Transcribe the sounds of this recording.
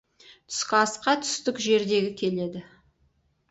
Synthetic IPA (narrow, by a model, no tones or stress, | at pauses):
t̪ʰʏ̥skʲɑsqɑt̪ʰʏ̥st̪ɪkʒe̞ɾd̪e̞ɡʲɪkʲʰe̞le̞d̪ɪ